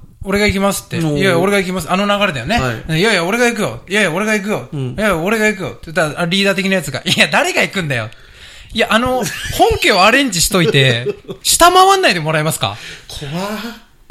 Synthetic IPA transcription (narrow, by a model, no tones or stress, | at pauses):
o̞ɾe̞ɡaik̬ʲimasɨ̥t̪ːe̞ijajao̞ɾe̞ɡaik̬ʲimasɨano̞naɡaɾe̞d̪ajone̞ɯ̃jajao̞ɾe̞ɡajik̬ɯ̟jo̞jajao̞ɾe̞ɡaik̬ɯ̟jo̞jajaoɾe̞ɡajik̬ɯ̟jo̞̰t̪d̪aaɾʲiːd̪aːt̪ekʲinajat͡sɨɡa̰ʔijad̪aɾe̞ɡaikɯ̟̃nd̪ajo̞̰t̪ | ijaʔano̞hõ̞ŋke̞oaɾẽ̞ɲd͡ʑiɕi̥t̪o̞it̪e̞ɕi̥t̪amaβãnːaid̪e̞mo̞ɾaimasɨ̥ka̰kʰa